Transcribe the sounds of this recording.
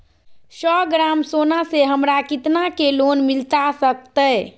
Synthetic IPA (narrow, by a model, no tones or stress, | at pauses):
sɔːɡɾamsoːnaseɦəmɾakiɪt̪nakeloːnmɪlt̪asək̚t̪ə